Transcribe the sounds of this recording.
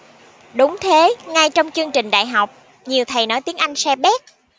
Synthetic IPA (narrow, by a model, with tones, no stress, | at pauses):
ɗʊ˨˦ŋ͡mt̪ʰe˨˦ŋa˧jt͡ɕɔ˧wŋ͡mt͡ɕɨ˧əŋt͡ɕï˨˩ŋ̟ɗa̰ː˧˨jɦa˨˩wk͡p̚ | ɲi˨˩əwt̪ʰə˨˩jnɔ˨˦jt̪i˨˦əŋʔa˧jŋ̟sɛ˧ɓɛ˦˥k̚